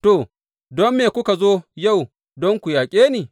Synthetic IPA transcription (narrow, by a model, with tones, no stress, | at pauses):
to˨ | dɔ˦mːeː˨kʷʊ˦ka˨zoː˦ja˦˨w | dɔ˦ŋkʷu˨jaː˨kʲʼeː˦niː˨